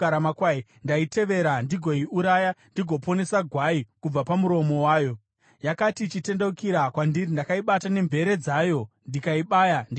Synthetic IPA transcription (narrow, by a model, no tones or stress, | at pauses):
ɾamakwai | ndaite̞ʋe̞ɾandiɡʱo̞iuɾajandiɡʱo̞po̞ne̞saɡʱwaikub͡vapamuɾo̞mo̞waːjo̞ | jakatit͡ʃite̞ndeukiɾakwandiɾindakaiɓatane̞mbʱe̞ɾe̞d͡zaːjo̞ | ndikaiɓaːjandi